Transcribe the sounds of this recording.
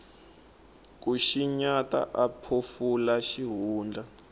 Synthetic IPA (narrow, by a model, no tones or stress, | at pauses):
k̬uʃiɲata̰ʔapʰofulaʃiɦuːnd͡ɮʱa